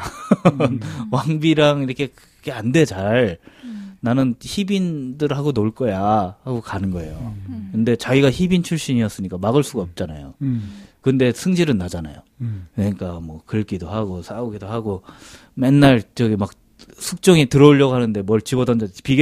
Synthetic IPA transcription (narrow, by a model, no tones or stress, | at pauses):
nwaŋbiɾaŋiɾʌkʰe̞kɯ | ɡʰeande̞t͡ɕaɭ | nanɯnçibindɯɾhaɡonoɭk͈ʌjahaɡokanɯnɡʌe̞̰jokɯnde̞t͡ɕaɡiɡaçibint͡ɕʰuɭɕ͈iɲiʌs͈ɯɲik͈amaɡɯɭs͈uɡaʌp̚t͡ɕ͈ana̰jo̰kɯnde̞sʰɯŋd͡ʑiɾɯnːad͡ʑana̰jo̰kɯɲik͈amwʌkɯɭk͈idohaɡos͈ʰauɡidohaɡo | menːaɭt͡ɕʌɡimak̚ | sʰuk̚t͡ɕ͈ʌŋitɯɾʌuʎːjʌɡoɦanɯnde̞mʌɭt͡ɕibʌdʌnd͡ʑapiɡ